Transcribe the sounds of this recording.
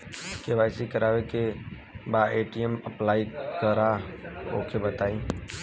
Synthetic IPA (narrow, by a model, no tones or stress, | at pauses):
keʋaːɪsikəɾaːʋeke | baeːʈieməplaːikəɾao̰ːkʰebət̪aːĩː